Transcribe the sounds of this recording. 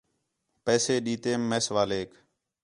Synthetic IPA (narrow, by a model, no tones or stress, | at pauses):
pɛːseːɗiːt̪eːmːeːsʋaːleːk